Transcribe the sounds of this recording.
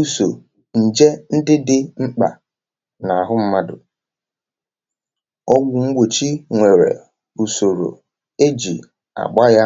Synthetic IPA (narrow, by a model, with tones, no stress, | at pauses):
u˦so˨ | n̩˨d͡ʒe˦n̩˦dɪ˦dɪ˦ŋ͡m̩˦k͡pa̰˨ | na˨a˨ɦʊ˦m̩˦ma˦dʊ̰˨ | ɔ˦ɡʷʊ˨ŋ̩˦ɡ͡bʷo˨t͡ʃi˦ŋʷe˨ɾḛ˨ | u˨so˨ɾo̰˨ | e˦d͡ʒḭ˨ | a̰˨ɡ͡ba˦ja˦